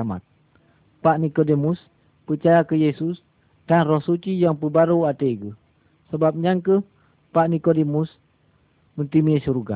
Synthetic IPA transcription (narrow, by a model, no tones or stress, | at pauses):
ama̰t̪̚ | paʔnikodemus | pət͡ʃajakəjesus | d̥anrɔhsut͡ʃijaŋpəbaɾoat̪eɡəh | səbap̚ɲaŋkəh | paʔnikodemus | mənt̪imesuɾuɡa̰